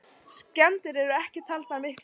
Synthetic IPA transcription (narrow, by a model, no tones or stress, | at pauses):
scɛnt̪ɪɾɛɾʏɛhcɪt̪ʰalt̪aɾmɪhkl